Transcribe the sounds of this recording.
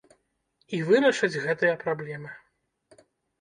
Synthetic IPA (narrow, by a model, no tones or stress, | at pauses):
ivɨɾɐʂɐd͡zʲɣɛt̪ɨjɐpɾablʲɛmɨ